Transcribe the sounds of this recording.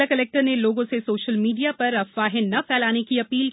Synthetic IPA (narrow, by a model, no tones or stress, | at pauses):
akɐlɛːk̚ʈəɾneloːɡõsesoːʃəlmiːɖijapɐɾɐfʋaːɦɪ̃nnːɐpɛːlaːnekiɐpiːl